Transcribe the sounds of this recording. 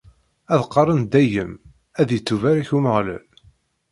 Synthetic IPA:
æðqːɑrˤənd̪æjəm | æðjət͡sːuvaɾæçuməʁlæ̰l

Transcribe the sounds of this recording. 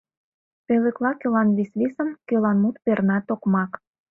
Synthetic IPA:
peləklɑkølɑnβisβisəmkølɑnmut̪pernɑt̪okmɑk

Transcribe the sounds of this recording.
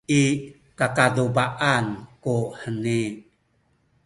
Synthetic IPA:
i | kakadubaʔankuħəni

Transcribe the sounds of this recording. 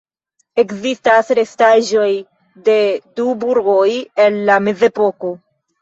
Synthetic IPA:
e̞kzistasɾe̞staʒo̞j | de̞dubuɾɡo̞je̞nlame̞ze̞poko̞

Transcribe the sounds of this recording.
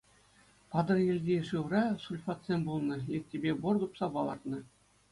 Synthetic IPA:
pɑd̪ɤ̆rjĕlʲdʲeʂɯʋrɑsulʲfɑt̪sʲemʲbulˠnɤ̆lʲekʲtʲːebʲebord̪upsɑpɑlˠɑ̰rt̪nɤ̆

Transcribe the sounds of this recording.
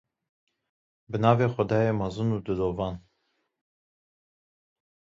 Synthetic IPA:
bənɑːveːxʷɔd̪ɑːjeːmɑzɨnuːd̪ɨloːvɑːn

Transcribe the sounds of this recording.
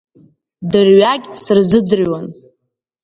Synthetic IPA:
dɨrɥaɡʲʼsɨrzɨd͡zɨran

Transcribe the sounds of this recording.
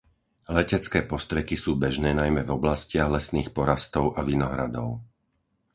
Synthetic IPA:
lɛcɛt͡skɛːpɔst̪ɾɛkisuːbɛʒnɛːnajmɛvɔblascɪaɣlɛsniːxpɔɾast̪ɔʊʔaʋinɔɦɾa̰d̪ɔʊ

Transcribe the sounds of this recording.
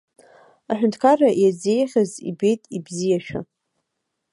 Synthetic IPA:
aħʷᶣʏntʰkʰarajazejχʲazḭbe̞jtʼibzijaʃᶣa̰

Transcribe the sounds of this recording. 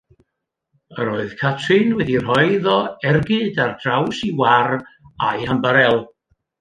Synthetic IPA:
əɾoːɨð̥kʰatʰrɨnwɛdir̥ɔɨðɔɛrɡɨdard̥rawsiwara̰jhəmbəɾɛlˠ

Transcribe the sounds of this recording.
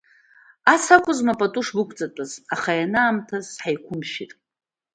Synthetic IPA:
asakʷʰʼʊzmapʼatʼuʂbɨkʷʰʼt͡sʼatʷʼazaχajanaːmtʰazħajkʷʰʊmʃḭtʼ

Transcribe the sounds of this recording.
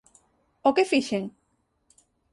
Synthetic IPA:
okefiʃeŋ

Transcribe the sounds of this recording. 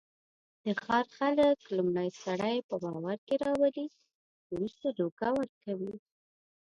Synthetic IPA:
d̪̥əxɑɾxaləklumɽajsaɽajpəbɑwaɾkeɾɑwali | wɾust̪aɖoɡawəɾkawi

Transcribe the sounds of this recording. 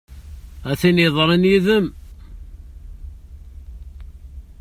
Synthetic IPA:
æθinjəðˤɾˤinjiðəm

